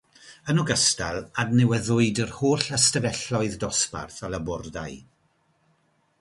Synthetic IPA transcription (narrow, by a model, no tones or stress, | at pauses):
ənɔɡəstalˠadnɛwɛðʊɨdərhoːɬastəvɛɬɔɨðdɔspa̰rθaləbʊrda̰ɨ